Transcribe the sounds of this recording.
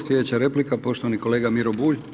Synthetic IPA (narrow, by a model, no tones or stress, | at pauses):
slʲed̪et͡ɕaɾe̞plikapo̞ʃt̪oʋaniko̞leːɡamiɾobuːʎ